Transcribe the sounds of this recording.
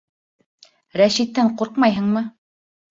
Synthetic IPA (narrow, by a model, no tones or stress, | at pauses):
ɾæʃit̪ːæɴquɾqmɑjɦɤ̆ɴmɤ